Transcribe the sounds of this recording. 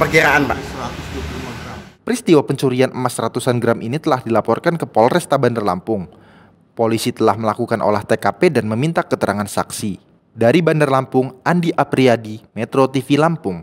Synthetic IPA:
pərkiɾaanbasəɾat̪ʊsduəpulimaɡɾampəɾist̪iwapəɲt͡ʃuɾianʔəmasɾat̪usanɡɾamʔinit̪əlahdilapɔrkankəpɔlrɛst̪abandarla̰mpʊŋ | polisit̪əlahməlakukanʔo̰laht̪ekapedanməmint̪akət̪əɾʔaŋansaksi | daɾibandarlampʊŋandiʔapɾiadimɛt̪ɾot̪ifilampʊŋ

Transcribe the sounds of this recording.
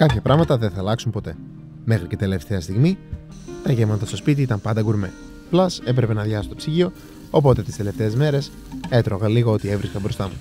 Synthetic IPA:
kɐpçɐpɾɐɣmɐt̪ɐðenθɐːlɐksumpo̞t̪e̞ | me̞xɾice̞t̪e̞le̞ft̪e̞ɐst̪iɣmi | t̪ɐʝemɐnt̪ɐst̪o̞spit̪̬iit̪ɐmpɐnd̪ɐɡuɾme̞ | plɐse̞p̬ɾe̞pe̞nɐðʝɐsot̪opsiʝio̞ | opo̞t̪e̞t̪i̥st̪e̞le̞ft̪e̞ːzme̞ɾe̞s | e̞t̪ɾo̞ɣɐliɣoo̞t̪ie̞vɾiskɐbɾo̞st̪ɐmu

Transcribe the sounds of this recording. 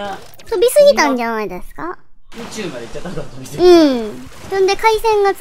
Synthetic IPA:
t̪obʲisɨɡʲit̪ãɲ̟d͡ʑanaid̪e̞sɨ̥ka | jt͡ɕɨmad̪eit͡ɕːat̪aɯ̟̃ɴ | nãnd̪e̞kaisẽ̞ŋɡa

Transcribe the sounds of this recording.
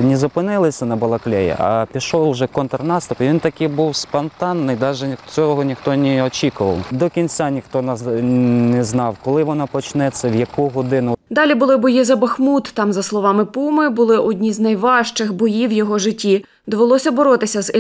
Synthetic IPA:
nʲɛzɐpɪnɪlˠɪsʲɐnɐbɔlˠɐklʲɛjɛ̰ʔɐ̰pʲiʃɔwˠʒɛkɔnt̪rnɑst̪ʊpɪʋʲint̪ɐkɪjbuwspɔnt̪ɑnːɪjd̪ɑʒɛt͡sʲɔɦɔnʲixt̪ɔnʲɛɔt͡ʃʲikʊʋɐwd̪ɔkʲinʲt͡sʲanʲixt̪ɔn | nɛznɑwkɔlˠɪʋɔnɔpɔt͡ʃnɛt͡s̪ʲːɛwjɐkuɦɔd̪ɪnʊd̪ɑlʲibʊlˠɪbɔjizɐbɐxmut̪ːɑmzɐslˠɔʋɑmɪpumɪbʊlˠɪʔɔdʲnʲizʲnɐjʋɑʃt͡ʃɪxbɔjiwjɔɦɔʒɪtʲːi | d̪ɔʋelˠɔsʲɐbɔɾɔt̪ɪsʲɐz

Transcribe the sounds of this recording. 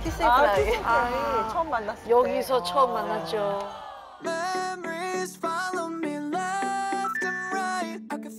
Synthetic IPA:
kʰis͈eaait͡ɕʰʌmːanːas͈jʌɡisʰʌt͡ɕʰʌɯmːanːat͡ɕ͈o | mɛmə˞iz̥fɑlˠoʊmilɛftɨ̃nɹaɪt̚ak

